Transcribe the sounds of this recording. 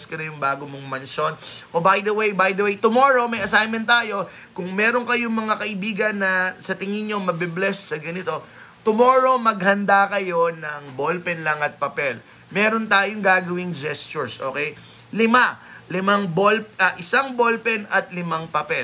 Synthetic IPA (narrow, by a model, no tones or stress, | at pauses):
skɐnɐjʊŋbaːɡomoŋmɐnʃonʔobajd̪ɐwejbajd̪ɐwejt̪ʊmoɹo̞mɐjɐsajmɛnt̪ːaːjo̞ | kʊŋmɛːɾoŋkɐjoŋmɐŋakɐʔɪbiːɡɐnːɐsɐt̪ɪŋɪnɲo̞mɐbɛblɛssɐɡɐnɪt̪o̞ | t̪ʊmo̞ːɹo̞mɐɡ̚hɐnd̪akɐjo̞nɐŋbolpɛnlɐŋɐt̪̚pɐpɛl | mɛːɾo̞nt̪aːjoŋɡaːɡɐwɪŋd͡ʒɛst͡ʃʊɹsʔo̞̰ːkɛj | lɪmalɪmaŋbolpʔɐʔɪsaŋbolpɛnɐt̪̚lɪmaŋpɐpɛ